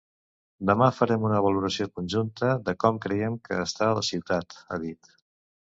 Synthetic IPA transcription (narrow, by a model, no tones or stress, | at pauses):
d̪əmafəɾɛmunəβ̞əluɾəsiokunʲʒunt̪əðəkɔmkɾəjɛmkəːst̪aələsiwt̪at̪a̰ðit̪